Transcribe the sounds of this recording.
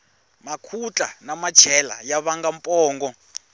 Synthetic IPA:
makʰut͡ɬʼa̰namat͡ʃʰɛla̰jaβaŋɡampʼɔːŋɡɔ

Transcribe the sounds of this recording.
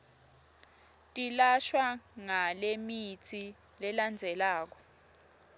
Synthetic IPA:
tʼilaʃwaŋalemit͡sʰi | lɛland͡zʱɛlaːk̬ɔ̥

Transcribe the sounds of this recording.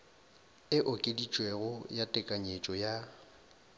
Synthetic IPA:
ɪʔʊkʼedit͡ʃʼweɣʊjatʼɪkʼaɲet͡ʃʼɔja

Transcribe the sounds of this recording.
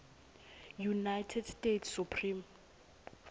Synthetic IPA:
junajtʰɛdstʼetʰsupʰrim

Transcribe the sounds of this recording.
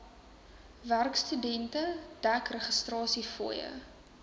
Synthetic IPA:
værkstydɛntəd̥ækrəχəstrɑːsifujə̰

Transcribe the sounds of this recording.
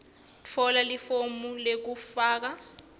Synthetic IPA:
t͡fʰɔlalifomulek̬ufaːk̬a

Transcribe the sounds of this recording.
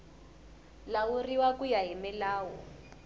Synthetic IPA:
lauriwakujaɦimɛlaːwɔ

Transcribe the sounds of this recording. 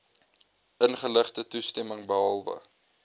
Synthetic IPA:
ənχələχtətustɛməŋbəɦɑlˠvə̰

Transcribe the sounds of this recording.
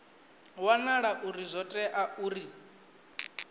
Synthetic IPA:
wanaɺaʔuɾizʷɔtʼɛʔaʔuːɾi

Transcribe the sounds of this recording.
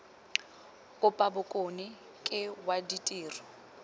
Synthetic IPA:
kʼʊpʼabʊkʼonɪ | kʼɪwaditʼiːrɔ

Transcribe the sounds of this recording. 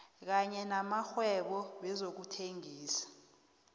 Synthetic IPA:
k̬aɲɛnamaxwɛɓɔɓɛzok̬utʰeŋiːsḁ

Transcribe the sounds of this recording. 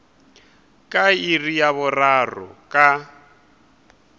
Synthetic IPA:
kʼairijaβʊrarɔ̰kʼa

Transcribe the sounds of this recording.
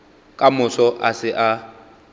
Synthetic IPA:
kʼamʊsɔʔasɪʔa

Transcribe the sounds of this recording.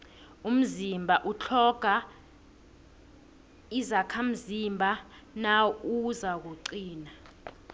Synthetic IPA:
um̩zimbʱaʔut͡ɬʰɔɡ̥ʱa | izakʰam̩zimbʱa | nauzak̬uǀiːna

